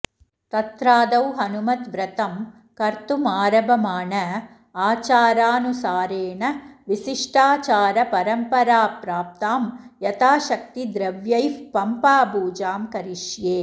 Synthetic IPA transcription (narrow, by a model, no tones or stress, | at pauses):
t̪ɐt̪ɾaːd̪ɐwɦɐnumɐt̪ʋɾɐt̪ɐm | kɐɾt̪umaːɾɐbʱɐmaːɳɐ | aːt͡ʃaːɾaːnusaːɾeːɳɐʋisiʂʈaːt͡ʃaːɾɐpɐɾɐmpɐɾaːpɾaːp̚t̪aːmjɐt̪aːʃɐk̚t̪id̪ɾɐʋjɐjfpɐmpaːbuːd͡ʒaːmkɐɾiʂjeː